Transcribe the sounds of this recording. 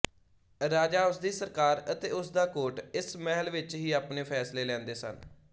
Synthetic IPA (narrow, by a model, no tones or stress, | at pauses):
ɾaːd͡ʒaːʊsd̪iːsəɾkaːɾət̪eːʊsd̪aːkoːʈɪsmɛɦəlʋɪt͡ʃɦiːaːpneːpʰɛːsleːlɛ̃ːnd̪eːsə̰n